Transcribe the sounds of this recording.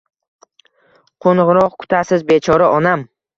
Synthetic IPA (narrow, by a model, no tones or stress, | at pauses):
qʰonʁɾɒq̚kʰʊ̥t̪ʰasɪzbe̞t͡ʃʰɒɾaʔɒnam